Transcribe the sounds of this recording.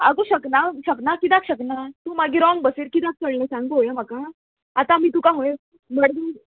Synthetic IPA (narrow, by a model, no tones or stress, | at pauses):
aɡuɕəknaɕəknakit̪akɕəknat̪ũːmaɡiːɾɔŋɡ̚bəsiːɾkit̪ak̚səɭnesãŋɡt̪ɦojamakaː | t̪ãm̤iːt̪ũkaɦoj | məɽd̪u